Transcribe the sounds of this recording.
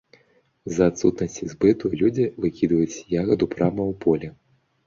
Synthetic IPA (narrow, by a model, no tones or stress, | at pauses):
zɐːt̪sut̪nɐsʲt͡sʲizʲbɛt̪ujɛlʲud͡zʲivɨkʲid̪vɐjut͡sʲjaɣɐd̪upɾamɐwpʰɔlʲɛ